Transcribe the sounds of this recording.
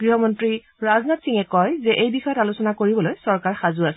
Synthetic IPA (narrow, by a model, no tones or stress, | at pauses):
ɡ̥ɹiɦɔmɔntɹi | ɹaznatsiŋɛkɔjzɛʔejbixɔjɔtalusɔnakoɹibɔlojsɔɹkaɹxazʊasɛ